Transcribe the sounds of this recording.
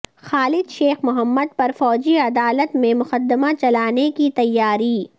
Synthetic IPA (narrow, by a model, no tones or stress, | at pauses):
xaːlɪd̪ʃeːxmʊɦəmːəd̪̚pɐɾfɔːd͡ʒiɐd̪aːlət̪mẽmʊxəd̪ːɪmat͡ʃɐlaːnekit̪ɐjːaːɾiː